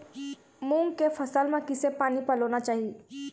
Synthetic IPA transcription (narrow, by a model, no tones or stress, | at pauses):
mũːŋɡkefʰɐsəlmẽkɪsepaːnipəloːnat͡ʃaːɦie